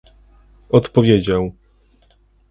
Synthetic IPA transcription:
ɔt̪pɔvʲjed͡ʑaw

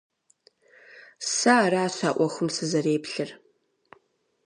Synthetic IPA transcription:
saːraːɕʷaːʔʷɔxəmsɨzɐreːpʰɬɨr

